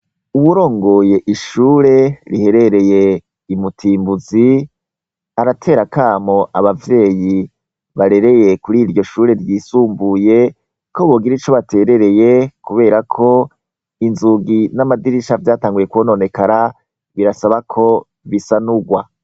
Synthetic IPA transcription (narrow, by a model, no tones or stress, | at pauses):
uβuɾo̞ːŋɡo̞ːje̞ʔiʃuːɾe̞ɾihe̞ɾe̞ɾe̞je̞ | imutʰiːmbuzi | aɾatʰe̞ːɾakʰaːmo̞ʔaβavje̞ːji | βaɾe̞ɾe̞je̞kuɾiːɾɟo̞ʃuːɾe̞ɾjiːsuːmbuje̞ | kʰo̞βo̞ːɡiɾit͡ʃo̞βatʰe̞ːɾe̞ɾe̞je̞kuβe̞ːɾakʰo̞ | inzuɡinamadiɾiʃavjaːtaːŋɡuje̞kwono̞ne̞kaɾa | βiɾasaβakʰo̞ | βisanuɡwa